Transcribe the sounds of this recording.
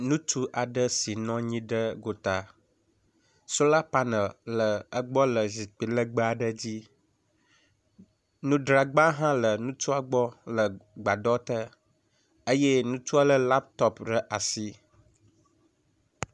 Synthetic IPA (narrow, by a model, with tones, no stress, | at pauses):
nũ˦t̪u˦ʔa˨ɖə˦si˨nɔ̃˦ɲĩ˦ɖə˦ɡo˨t̪a˨ | so˦la˦pa˦nə˨llə˨ə˦ɡ͡bɔ˦lə˨zi˨k͡pi˨lə˦ɡ͡bə˦a˨ɖə˦d͡ʑi˦ | nũ˦ɖɾa˨ɡ͡ba˦ɦã˦lə˨nũ˦t͡ʃu˦a˦ɡ͡bɔ˦lə˨ɡ͡ba˨ɖɔ˦t̪ə˦ | ə˦je˦nũ˦t͡ʃu˦a˦lə˦la˦pt̪ɔ˦pɖə˨ʔa˨si˦